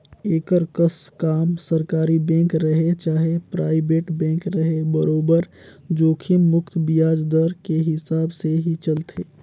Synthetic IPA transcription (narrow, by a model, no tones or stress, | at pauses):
eːkəɾkəskaːmsəɾkaːɾibɛ̃ːŋkɾəɦet͡ʃaːɦepɾaːɪbeːʈbɛ̃ːŋkɾəɦebəɾoːbəɾd͡ʒoːkʰimːʊkt̪ʰbijaːd͡ʒd̪əɾkeɦɪsaːbseɦit͡ʃəlt̪ʰeː